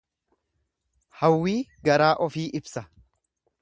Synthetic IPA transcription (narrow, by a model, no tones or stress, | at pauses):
hɐwːiːɡɐɾaːʔɔfiːʔɪbsɐ